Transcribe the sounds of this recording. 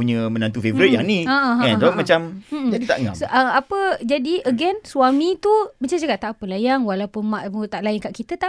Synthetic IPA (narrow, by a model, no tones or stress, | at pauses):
uɲəmə̃nãnt̪ufevəɾɪt̪̚jaŋnĩəʔəkansəbap̚mat͡ʃam̩md͡ʒadit̪a̰ʔəŋa̰sʔəapəd͡ʒadiʔəɡɛnswamĩt̪ubat͡ʃat͡ʃakaʔt̪aʔpəlajaŋwalawpənmãʔpəŋt̪aʔlajaŋkaʔkit̪ət̪a